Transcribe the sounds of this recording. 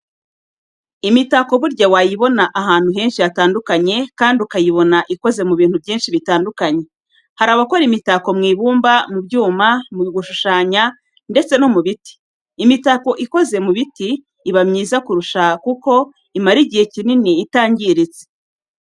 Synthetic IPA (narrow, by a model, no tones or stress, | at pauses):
imitako̞βuɾɟawajiβo̞naʔaɦaːn̥huɦe̞ːnʃijataːndukaɲe̞kaːndiukajiβo̞naʔiko̞ze̞muβiːn̥hubjiːnʃiβitaːndukaɲe̞ | haɾaβakoɾimitako̞mŋiːβuːmbamubɟuːmamuɡuʃuʃaːɲa | nde̞t͡se̞no̞muβiti̥ː | mitaːko̞ʔiko̞ze̞muβitiː | βamɲiːzakuɾuʃakuko̞ | imaɾiɟihe̞cininiːtaːɲɟiɾize̥